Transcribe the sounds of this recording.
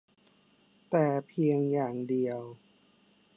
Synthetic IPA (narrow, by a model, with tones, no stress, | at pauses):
t̪ɛː˨˩pʰi˧əŋjaː˨˩ŋdi˨˩əw